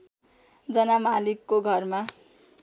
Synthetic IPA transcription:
d͡zʌnamalikːoɡʱʌrma

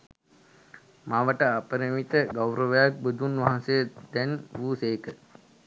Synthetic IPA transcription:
maʋəʈəapəɾimit̪əɡawɾəʋəjak̚bud̪ʱunʋaɦãnsejəd̪̥ɛnʋuːsejkə

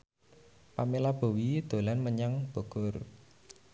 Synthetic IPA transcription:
pamelab̥o̤wid̪̥o̤lanməɲaŋb̥o̤ɡ̥ɔ̤r

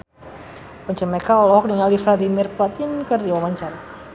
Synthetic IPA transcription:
pɔɲt͡ʃəmɛkaɔlɔɦɔk̚niŋalifladimirplat̪ɪnkərdiwamaɲt͡ʃar

